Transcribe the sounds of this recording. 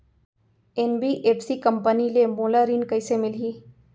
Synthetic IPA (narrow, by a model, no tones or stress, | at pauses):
enbiʔeːpsikəmpənilemolaɾiːnkəɪsemɪliː